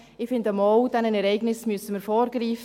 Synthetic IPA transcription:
ɪfɪndəmɔʊd̥ɛnənɛɾɛɪɡnɪsmyəsəməɾfɔːɾɡɾiːf

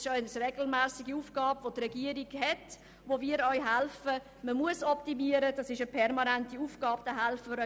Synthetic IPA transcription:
ʃœnəsrɛɡl̩mæːsiɡiuːfɡ̥ɑːbvotrɛɡiəɾiɡhɛt | voviːəɾœʏɦælfə | məmuəsɔptimiəɾəd̥ɑsɪʃəpʰɛrmɑnɛntiuːfɡ̥ɑːb̚d̥əɦælfəəɾœ

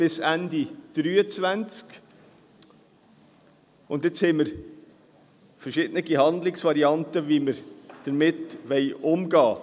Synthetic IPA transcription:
b̥ɪsændid̥ɾyːət͡svænt͡sk | ʊntjɪt͡shɛɪməɾ | fəɾʃɪːdənəɡihɑnd̪lɪksvɑɾiɑntəviməɾd̥əɾmɪtʋɛɪʔʊmɡɑː

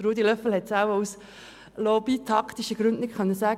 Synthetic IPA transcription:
ɾuːd̪ilœfl̩hɛt̪saʊus | lɔbit̪ʰɑkt̪iʃəɡ̥ɾʉndnɪkχœnːəsæːɡ

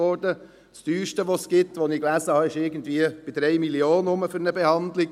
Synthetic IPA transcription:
ɔɾdə | t͡styːʃtəʋosɡ̥ɪtʋoniklæːzəhɑɪʃɪɡən̩tviəb̥ɪdɾɛɪmilioːnʊməfʏɾnəbɛhɑnd̪lɪ

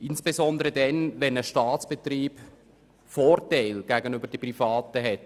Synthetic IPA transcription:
ʔɪnsb̥ezɔnd̪əɾədɛnvɛnəʃtɑːtt͡sb̥et̪riːb | fɔːrtaɪlɡ̥æɡənʏbəɾd̥əprifɑːtəɦɛt

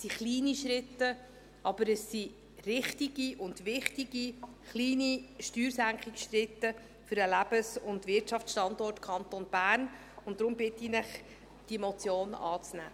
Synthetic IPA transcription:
siχliːniʃɾɪt̪ːə | ɑb̥əɾəsi | rɪχtiɡ̥iʔʊndʋɪχtiɡi | χliːniʃtyːɾsæŋkχɪksʃrɪtːə | fʏɾɛlæb̥əsʊndvɪɾtʃɑft͡ssʃtɑndɔrtkʰɑnt̪onb̥æːn | ʊntːɾʊmbɪt̪ːinɪχ | d̥imɔt͡sjoːnɑ̰ːt͡snæ̰ː

